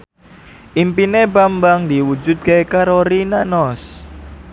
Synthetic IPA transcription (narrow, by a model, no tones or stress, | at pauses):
ʔimpinebambaŋd̪iwud͡ʒʊt̪̚kekaɾoɾinanɔs